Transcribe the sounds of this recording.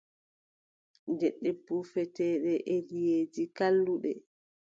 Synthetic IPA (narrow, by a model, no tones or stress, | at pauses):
nd͡ʒɛɗːɛbufɛtɛːɗɛʔelijeːd͡ʒikalːuɗɛ̰